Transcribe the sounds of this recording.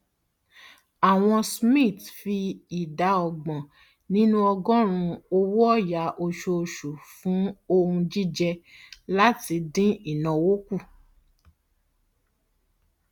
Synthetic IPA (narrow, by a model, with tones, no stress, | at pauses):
a˨w̃ɔ̃˧smĩ˦˨tfi˧i˨da˧˦ɔ˧ɡ͡bɔ̃˨ | nĩ˦nũ˦ɔ˧ɡɔ̃˦ɾ̃ũ˧o˧wɔ˦ɔ˦˨ja˨˦ʔo˧ʃo˧ʃu˨fũ˨˦o˧ũ˧d͡ʒi˦d͡ʒɛ˧la˦ti˧dĩ˦i˦˨nã˨wo˦ku˦˨